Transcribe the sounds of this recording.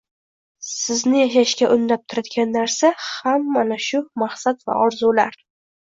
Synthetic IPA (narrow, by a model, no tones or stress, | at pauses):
sɪznɪjaʃaʃkʲaʔʊnːap̚t̪ʰʊɾad̪ɡʲanːaɾsahamːanaʃʊmaχsat̪va̰ɒɾzulaɾ